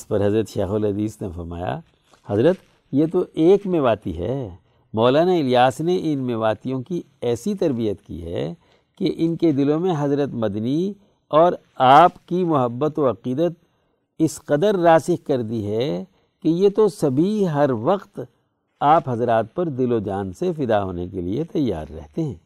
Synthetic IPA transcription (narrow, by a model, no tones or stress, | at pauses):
ɪspɐɾɦɐzɾət̪ʃɛ̰ːxolɦɐd̪iːsnefɐ̰ɾma̰ːja̰ | hɐzɾət̪ | jet̪oʔeːkmeːʋaːt̪ḭɦɛ̰ː | mɔːlaːnaɪlijaːsneʔɪnmeːʋaːt̪ijõki | ɛːsit̪ɐɾbijət̪kḭɦɛ̰ | keʔɪnked̪ɪlõmẽɦɐzɾət̪mɐd̪ni | ɔːɾ | aːpkimʊɦəbːət̪oɐqiːd̪ət̪̚ | ɪsqɐd̪əɾːaːsɪhkɐɾd̪iɦɛ | kejet̪osɐbʱiɦɐɾʋɐqt̪ | aːpɦɐzɾaːt̪̚pɐɾd̪ɪlod͡ʒaːnsefɪd̪aɦo̰ːnḛkḛlḭet̪ɐjːa̰ːɾːɛ̰ɦt̪eɦɛ̰̃ː